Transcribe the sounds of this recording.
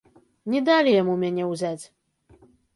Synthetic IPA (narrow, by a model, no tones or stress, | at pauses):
nʲɛd̪alʲijamumʲanʲɛwzʲat͡sʲ